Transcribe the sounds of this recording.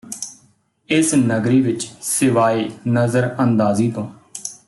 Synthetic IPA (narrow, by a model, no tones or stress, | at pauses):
ɪsnəɡɾiːʋɪt͡ʃsɪʋaːeːnəzəɾənd̪aːziːt̪õː